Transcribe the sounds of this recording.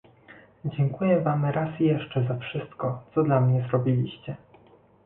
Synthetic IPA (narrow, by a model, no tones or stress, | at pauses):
d͡ʑɛŋkujɛvamɾasjɛʂt͡ʂɛzafʂɘst̪kɔt̪sɔd̪lamɲɛzɾɔbʲilʲiɕt͡ɕɛ